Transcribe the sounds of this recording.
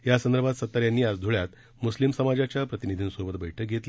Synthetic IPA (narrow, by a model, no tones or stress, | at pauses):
jasənd̪əɾbʱat̪sət̪ːəɾjanːiːad͡zd̪ʱuɭjat̪ | muslimsəmad͡ʑat͡ɕjapɾət̪inid̪ʱiːnsobət̪̚bəjʈʰək̚ɡʱet̪li